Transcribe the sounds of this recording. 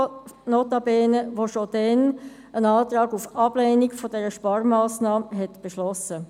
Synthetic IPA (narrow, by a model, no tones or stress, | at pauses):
noːtɑbɛːnəʋoʃod̥ɛn | ənɑːtɾɑːɡufɑb̥leːniɡfodɛɾəʃpɑɾmɑːsnɑːmɦɛtb̥eʃlɔsə